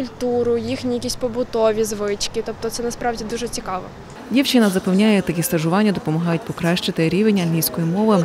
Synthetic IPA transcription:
kʊlʲt̪uɾʊjixnʲijɐkʲisʲtʲpɔbʊt̪ɔʋʲizʋɪt͡ʃkʲɪt̪ɔp̚t̪ɔt̪sɛnɐspɾɑwdʲid̪uʒɛt͡sʲikɑʋɔ̰ | dʲiwt͡ʃɪnɐzɐpewnʲajɛt̪ɐkʲist̪ɐʒʊʋɑnʲːɐd̪ɔpɔmɐɦɑjʊt̚ʲpɔkɾaʃt͡ʃɪt̪ɪɾʲiʋenʲːɐlʲlʲijsʲkɔjimɔʋɪ

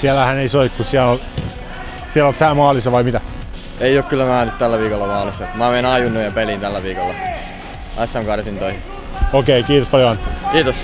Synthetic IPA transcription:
siælæhæneisoikkusiælol | siælolt̪sæːmɑːlisɑʋɑimit̪æ | eioˑːkkylːæmæːnyt̪t̪ælːæʋiːkolːɑmɑːlisːɑt̪mæːmeinɑjunːojjɑpelint̪ælːæʋiːkolːɑ | ʔɑsʲːɑŋkɑrsint̪oihi | okeikiːt̪ospɑljoɑnkiːt̪os

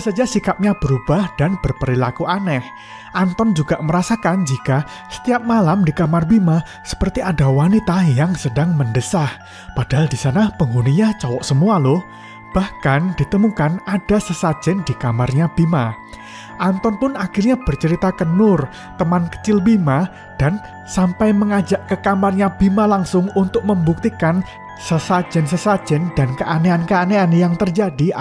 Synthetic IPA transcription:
sad͡ʒasikap̚ɲab̥əɾub̥ahd̥anb̥ərpəɾilakuʔanɛh | ʔant̪ɔnd͡ʒuɡaʔməɾasakand͡ʒika | sə̥t̪iap̚malamdikamarbima | sə̥pərt̪iʔadawanit̪ajaŋsədaŋməndəsah | pad̥aɦaldisanapəŋɡuniɲat͡ʃɔwɔʔsəmualʊh | b̥ahkand̥it̪əmukanad̥asəsḁd͡ʒ̥ɛndikamarɲab̥ima | ʔant̪ɔntʊnakɪrɲab̥ərt͡ʃəɾit̪akənʊr | t̪əmankə̥t͡ʃɪlbima | d̥an | sampajməŋad͡ʒaʔkəkamarɲab̥imalaŋsʊŋunt̪ʊk̚məmbuk̚t̪ikan | səsḁd͡ʒ̥ɛnsəsḁd͡ʒ̥ɛnd̥ankəʔaneankəaneanjaŋt̪ərd͡ʒadi

